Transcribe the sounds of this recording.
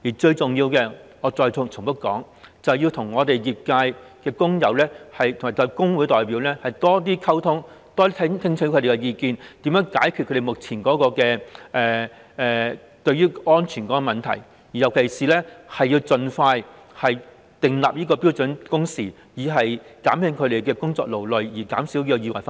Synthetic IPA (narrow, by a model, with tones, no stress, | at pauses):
jiː˨˩t͡ʃɵ˧ɥt͡sʊ˨ŋjiː˧wkɛː˧ŋɔː˨˧t͡sɔː˧jʰt͡sʰʊ˨˩ŋpɐ˥kːɔ̰ː˨˥ŋ | t͡sɐ˨˩wjiː˧wt̪ʰʊ˨˩ŋːɔː˨˧t̪e˨jjiː˨p̚kaː˧jkɛː˧kʊ˥ŋjɐ̰˨˩wlɛː˥hɐ˨jt̪ʰŋa˨˩t̪ɔ˧˥kʊ˥ŋwu˨˥jt̪ɔː˨jpiː˨˥wlɛ˥hɐ˨jt̪ɔː˥t̪̬iː˥kʰɐ˥wt̪ʰʊ˥ŋ | t̪ɔː˥i˥t̪ʰt̪ʰɪ˥ŋt͡ʃʰɵ˧˥k̪ʰe˨˧kɛ˧jiː˧kiː˨˧nt̪iː˨˥mjœː˨˥ŋkaː˨˥jkʰy˨˧ɵ˧ɾe˨mʊ˨k̚t͡sʰiː˨˩nkɔː˨˥kɔː˧kɛː˧ɛː˨ | ɛː˨ | t̪ɵ˧ɥyː˥ɔː˥nt͡ʃʰyː˨˩nkɔː˨˥kɔ˧mɐ˨˩nt̪ʰɐ˨˩j | jiː˨˩jɐ˨˩wkʰe˨˩jsiː˨lɛː˥hɐ˨jːiː˧wt͡sɵ˧nfaː˧j | hɐ˨j | t̪ɪ˨ŋla̰ː˨p̚jiː˥kɔː˧pi˥wt͡sɵ˨˥nkʊ˥ŋsiː˨˩ | jiː˨˧ɦɐ˨jkaː˨˥mhɪ˧˥ŋkʰɵ˨˧ɾe˨jkɛː˧kʊ˥ŋt͡sɔ̰ː˧k̚lo˨˩wlɵ˨ɥjiː˨˩ka̰ː˨˥msiː˨˥wji˥ɔ˧jiː˧wɐ̰˨˩jf